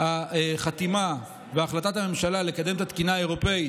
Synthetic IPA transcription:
haχat̪ima | veaːχlat̪at̪ame̞mʃalale̞kad̪e̞mt̪at̪kinaae̞ʁo̞pe̞i

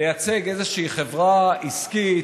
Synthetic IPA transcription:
ejat͡se̞ɡe̞zeʃiːχevʁaiski

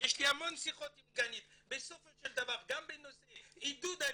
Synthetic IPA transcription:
jeʃlihamo̞nsiχo̞t̪ivɡanit̪besofeʃeld̪avaʁɡambenoseid̪ud̪a

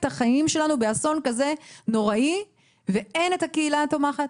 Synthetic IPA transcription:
taχajimʃe̞lanube̞aso̞nkaze̞no̞ʁai | vee̞netakeilat̪o̞maχat̚

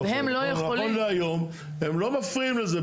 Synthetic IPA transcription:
vehemlojeolonveajo̞m | hemlo̞mafʁiimleze

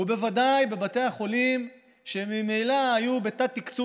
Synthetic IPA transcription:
ube̞vad̪ajbe̞bate̞jaχo̞lim | ʃemime̞jlaːjubet̪at̪ikt͡su

